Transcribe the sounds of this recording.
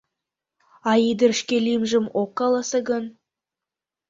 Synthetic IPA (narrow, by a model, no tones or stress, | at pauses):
ɑjid̪əɾʃkʲelʲimʒəmokːɑlˠɑsəɡɵn